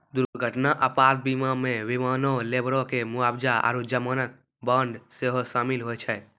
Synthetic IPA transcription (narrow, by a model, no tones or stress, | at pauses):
d̪uɾɾɡʱəʈnaʔəpaːt̪̚biːmamẽʋimaːnõleːbɾõkemʊaːbd͡ʒaa̰ɾud͡ʒəmaːnək̪̚ | bəɳɖseɦoʃaːmɪlɦoɛt͡ʃʰɛ